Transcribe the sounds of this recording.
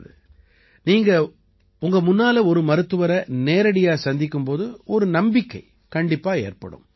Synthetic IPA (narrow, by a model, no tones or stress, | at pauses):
ðɯ | niːŋɡɐ | ʊŋɡɐmʊnːaːlɐɔɾɯmɐɾɯt̪ːɯʋɐɾɐneːɾɐɽɪjaːsɐnd̪ɪk̬ːɯmpoːðɯɔɾɯnɐmbɪkːɐɪ | kɐɳɖɪpːaːḛːrpɐ̰ɽɯ̰m